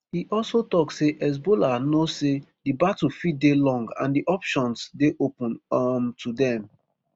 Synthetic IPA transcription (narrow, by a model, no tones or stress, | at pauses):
hiʔɔlsotɔksseʔɛs̬bolanosedibatofidelɔ̃ŋɡã̰ndiʔɔpʃɔ̃nsdeʔopũnmtʰudɛ̃m